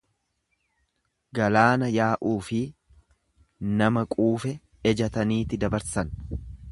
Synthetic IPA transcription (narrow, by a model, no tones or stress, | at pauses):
ɡɐlaːnɐjaːʔuːfɪ | nɐmɐkʼuːfɛ | ɛd͡ʒɐt̪ɐniːt̪ɪd̪ɐbɐɾsɐn